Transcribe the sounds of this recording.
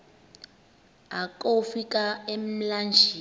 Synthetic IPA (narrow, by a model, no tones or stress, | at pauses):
akʼofikʼaem̩land͡ʒʱiː